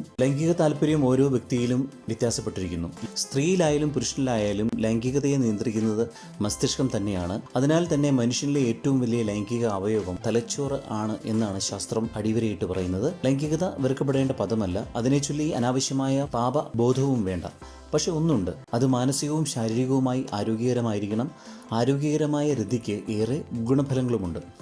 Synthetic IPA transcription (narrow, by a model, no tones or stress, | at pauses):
lɐŋɡiɣɐt̪aːlpɐɾjɐmo̞ːɾo̞ːʋjɐk̚t̪ijilum | ʋjit̪jaːsɐpːe̞ʈːiɾikʲːunːust̪riːjilaːjalumpuɾuʂnilaːjaːlumlɐŋɡiɣɐðɐjenijɐnd̪rikʲːunːɐðɨ | mɐst̪ɐʂkɐmt̪ɐnːe̞jaːɳɨɐðinaːlt̪ɐnːe̞mɐnuʂɐnileeːtːɐʋumʋɐlijɐlɐŋɡiɣɐɐʋɐjo̞ːɡɐmt̪ɐlɐt͡ɕːo̞ːrɨʔaːɳɨʔe̞nːaːɳɨɕaːst̪rɐmɐɽiʋɐɾɐjiʈːɨpɐrɐjunːɐðɨlɐːŋɡiɣɐðɐʋerkːɐp̬ːeɽe̞ːɳɖɐpɐðɐmɐlːɐ̰ɐðinet͡ɕulːiɐnaːʋɐɕjɐmaːjɐpaːbɐbo̞ːd̪ʱɐʋumʋe̞ːɳɖɐ̰ | pɐkʂe̞o̞nːuɳɖɨɐðɨmaːnɐsiɣɐʋumɕaːɾiɾiɣɐʋumaːjiʔaːɾo̞ːɡjɐɣɐɾɐmaːjiɾikʲːuɳɐm | aːɾo̞ːɡjɐɣɐɾɐmaːjɐɾid̪ʱːikʲːɨʔe̞ːreɡuɳɐbʱɐlɐŋːɐɭumuɳɖɨ